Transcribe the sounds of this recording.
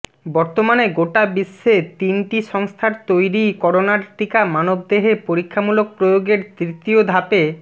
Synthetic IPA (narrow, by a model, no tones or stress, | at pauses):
bɔɾt̪omaneɡoʈabisːet̪inʈiʃɔŋst̪ʰaɾt̪ojɾikɔɾonaɾʈikamanob̚d̪eɦepoɾikʰːamulok̚pɾojoɡeɾt̪ɾit̪iod̪ʱape